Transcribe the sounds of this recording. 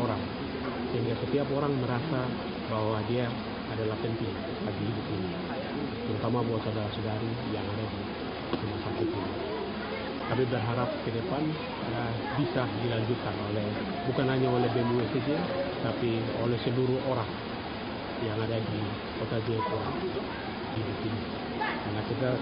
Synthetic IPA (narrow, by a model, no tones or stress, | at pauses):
oɾaŋ | siŋkasət̪iapoɾaŋməɾasa | baɦwadiaː | dalahpɛnt̪i | laɡiɦidup̚ini | p̪əɾut̪amabawasadaɾasudaɾi | jaŋadadi | simasakut̪ini | t̪amibərɦaɾap̚kədəpan | ə | bisadilaɲd͡ʒut̪̚kanolɛh | bukanɦaɲaɔlɛhbɛnuwɛsɛd͡ʒiat̪apiolɛhsɛluɾuhoɾaŋ | jaŋadadi | kot̪ad͡ʒiakuɾaŋ | hidupini | jaŋat͡ʃɛɡa